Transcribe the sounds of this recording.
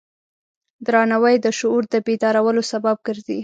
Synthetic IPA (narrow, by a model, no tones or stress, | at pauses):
d̪ɾɑnawəjd̪əʃʊuɾd̪əbed̪ɑɾawəlosabab̚ɡəɾd̪ḭ